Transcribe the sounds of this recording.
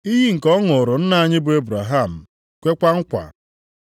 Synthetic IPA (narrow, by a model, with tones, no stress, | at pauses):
i˦ɦi˦ŋ̩˨kɔ˦ŋʊ˨ɾʊ˨n̩˦na˨a˨ɲɪ˦bʊ˨e˦bɾa˨ɦa˦˨m̩˨ | kʷe˦kʷa˦ŋ̩˦kʷa̰˨